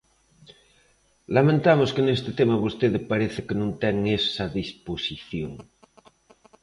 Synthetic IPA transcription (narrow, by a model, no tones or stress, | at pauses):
lamẽnt̪amoskenest̪ɪt̪emaβost̪eðepaɾeθekenũnt̪ɛŋesaðisposiθjoŋ